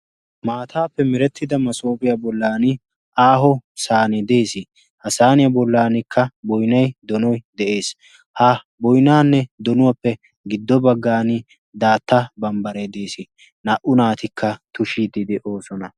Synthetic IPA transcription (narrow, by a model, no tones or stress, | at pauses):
maːt̪ʰaːpːɛmɪɾɛt̪ʰːɪd̪ɐmɐso̞ːbɪjabɔlːaːnɪ | ʔaːɦɔsaːnɪd̪e̞ːsɪ | hɐsaːnɪjɐbɔlːaːnɪkʰːɐbɔjnɐjd̪ɔnɔjd̪ɛʔe̞ːs | hɐ | bɔjnaːnːɛd̪ɔnʊwɐpːɛ | ɡɪd̪ːɔbɐɡːaːnɪ | d̪aːt̪ːɐbɐmbɐɾed̪e̞ːsɪ | nɐʔʊnaːt̪ɪkʰːɐt̪ʊʃid̪ɪd̪ɛʔoːsɔnɐ